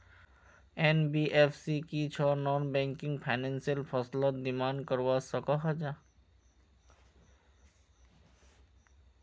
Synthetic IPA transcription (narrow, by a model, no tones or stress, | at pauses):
enbiʔepʰsikit͡ʃʰɔnɔːnbɛ̃ŋkɪ̃ŋɡpʰaɪnẽnsijəlpʰɔslət̪̚d̪ɪmaːnkəɾʋasəkɔɦad͡ʒa